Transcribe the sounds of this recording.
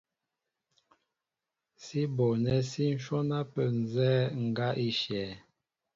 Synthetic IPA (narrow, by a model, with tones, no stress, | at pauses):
si˦bɔ˨nɛ˦si˦n̩˦ʃɔ˦na˦pə˦˨n˨zɛː˦ŋ̩˨ɡa˦ʔi˦ʃɛː˨˦